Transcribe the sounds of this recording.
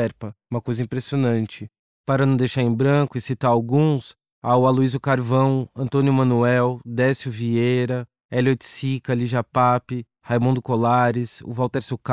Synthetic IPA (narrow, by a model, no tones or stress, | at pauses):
ɛɾpɐũmɐkojzɐĩpɾesionɐ̃nt͡ʃɪ | paɾɐnɐ̃w̃d̪ejʃaɾẽj̃bɾɐ̃kʊisit̪aɾawɡũs | aʊaluizʊkaɾvɐ̃w̃ɐ̃nt̪õnjʊmɐ̃nuɛwd̪ɛsɪʊvieɾɐ | ɛlot͡ʃsikɐliʒapapɪ | hajmũd̪ʊkolaɾɪsʊ̰vawt̪ɛɾsuk